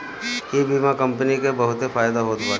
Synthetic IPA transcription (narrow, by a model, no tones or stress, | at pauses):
jebʱimãkɐ̃mpənikebɐɦʊt̪ɦefaːjd̪aɦoːt̪baː